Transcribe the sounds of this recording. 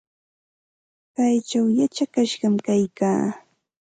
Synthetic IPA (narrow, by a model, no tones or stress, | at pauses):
kajt͡ʃawjat͡ʃakaʃɢɑmkajkaː